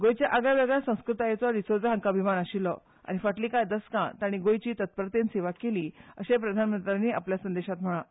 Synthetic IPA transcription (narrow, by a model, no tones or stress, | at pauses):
ɡojt͡ɕjaʔaɡjaʋeɡɭjasə̃w̃skɾut̪ajet͡sɔɾisod͡zɦãŋkabʱimanaɕilɔ̰ | a̰ɽ̃ifəʈliːkajd̪əskã̰t̪aɽ̃iɡojt͡ɕiːt̪ət̪̚pəɾt̪enseʋakeliːəɕepɾəd̪ʱanmənt̪ɾaniːʔa̰pljasənd̪eɕat̪m̤əɭã